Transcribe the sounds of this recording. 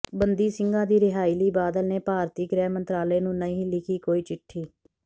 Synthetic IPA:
bənd̪iːsɪŋɡãːd̪iːɾɪɦaːiːliːbaːd̪əlneːpaːɾt̪iːɡɾɛːmənt̪ɾaːleːnũːnəĩːlɪkʰiːkoːiːt͡ʃɪʈʰːiː

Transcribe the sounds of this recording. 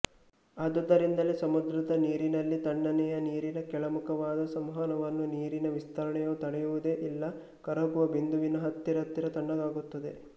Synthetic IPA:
ɐd̪ɐd̪ɐɾind̪ɐlesɐmud̪ɾɐd̪ɐniːɾinɐlːit̪ɐɳːɐnɛjɐniːɾinɐkɛɭɐmukʰɐʋaːd̪ɐsɐmɦɐnɐʋɐnːuniːɾinɐʋist̪ʰɐɾɐɳɛjɐut̪ɐɽɛjuʋud̪eːʔilːɐ | kɐɾɐɡuʋɐbind̪uʋinɐɦɐt̪ːiɾɐt̪ːiɾɐt̪ɐɳːɐɡaːɡut̪ːɐd̪e

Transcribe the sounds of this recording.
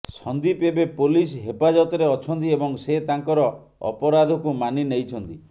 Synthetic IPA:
sɔnd̪ipebepolisɦepad͡ʒɔt̪ɔɾeɔt͡ʃʰɔnt̪̬iebɔŋset̪aŋkɔɾɔ | ɔ̰pɔɾad̪ʱɔkumaninejt͡ʃʰɔnt̪i

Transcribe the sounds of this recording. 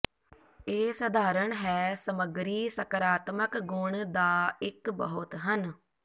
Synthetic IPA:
eːsəd̪ʱaːɾəɳɦɛːsəməɡɾiːsəkəɾaːt̪məkɡʊɳd̪aːɪkbəɦʊt̪ɦən

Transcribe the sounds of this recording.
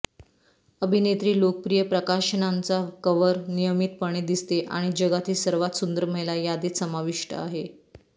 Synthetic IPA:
əbʱinet̪ɾiːlokəpɾijəpɾəkaʂəɳant͡sakəʋəɾnijəmit̪̚pəɳ̃ed̪ist̪eʔa̰ɽ̃id͡ʑəɡat̪ʰiːsəɾʋat̪sund̪əɾm̤əjlajad̪iːt̪səmaʋiʂʈʰə̰a̰ɦe

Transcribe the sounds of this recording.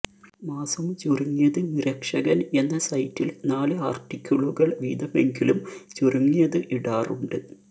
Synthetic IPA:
maːsɐmt͡ɕuruŋːijɐðɨniɾɐkʂɐɣɐne̞nːɐsɐjtːilnaːlɨaːrʈːikʲʰːuɭuɣɐɭʋḭːd̪ɐme̞ŋɡilumt͡ɕoruŋːijɐðɨʔiɽaːruɳɖɨ

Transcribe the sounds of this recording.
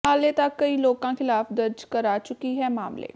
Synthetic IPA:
ɦaːleːt̪akːəiːloːkãːkʰɪlaːfd̪əɾd͡ʒkəɾaːt͡ʃʊkiːɦɛːmaːmlḛː

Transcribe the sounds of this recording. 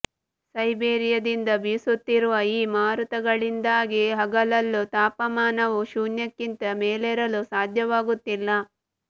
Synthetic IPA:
sɐjbeːɾijɐd̪ind̪ɐbisut̪ːiɾuʋɐiːmaːɾut̪ɐɡɐɭind̪aːɡiɦɐɡɐlɐlːut̪aːpɐmaːnɐʋuʃuːnjɐkːint̪ɐmeːlɛɾɐlusaːd̪ʱjɐʋaːɡut̪ːilːɐ

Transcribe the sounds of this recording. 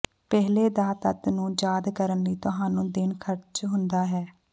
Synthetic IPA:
pɛːɦleːd̪aːt̪ət̪nũːd͡ʒaːd̪kəɾənliːt̪ʊɦãːnũːd̪ɪnkʰəɾt͡ʃɦʊnd̪aːɦɛː

